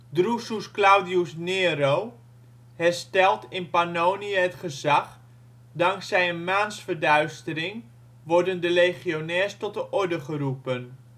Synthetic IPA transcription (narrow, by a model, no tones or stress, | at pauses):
drususklawdiusneːrow | hɛrstɛlˠtɪnpanoːniəɦətχəzaχ | daŋksɛjənmaːnsfərdœɥstəɾɪŋ | ʋɔrdəndəlejχionɛːstɔt̚dəʔɔɹdəχərupən